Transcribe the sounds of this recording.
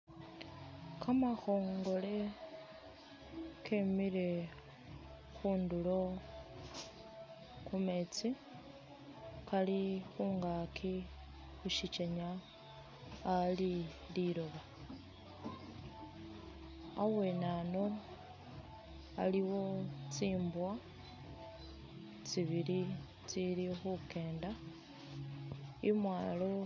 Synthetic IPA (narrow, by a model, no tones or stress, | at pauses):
kamaxo̞ːŋɡo̞le̞ | kʰemiɾe̞ | xuːndulo̞ | kume̞t͡si | kalixuːŋɡakʰi | xuʃit͡ʃeɲa | li | liɾoβa | awe̞nano̞ | a̰liwo̞t͡siːmbwa | t͡siβiɾi | t͡siɾixuke̞ːnda | imwaːlo